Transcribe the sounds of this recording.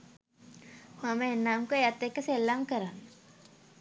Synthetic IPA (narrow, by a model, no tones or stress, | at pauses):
maməenːaːmkuejat̪ːekːəselːamkəɾanːə